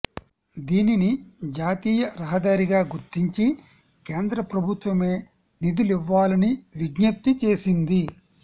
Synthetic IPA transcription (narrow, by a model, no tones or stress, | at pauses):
d̪iːninid͡ʒaːt̪iːjɐɾɐɦɐd̪aːɾiɡaːɡuɾt̪iɲt͡ʃi | ke̞ːnd̪ɾɐpɾɐbʱut̪ʋɐme̞ː | nid̪uliʋːaːlɐniʋiɡnɐp̚t̪it͡ʃe̞ːsind̪i